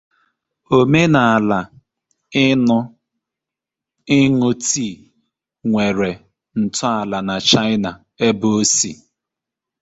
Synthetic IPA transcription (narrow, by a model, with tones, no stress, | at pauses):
o˦me˦na˨a˨la˨˦ | nʊ˦ | ɪ˦ŋʊ˦ti˦˨ | ŋʷe˨ɾe˨ | n̩˨tʊ˦a˨la˨na˨t͡ʃa˦ɪ˦na˨ | e˦bo˦sḭ˦˨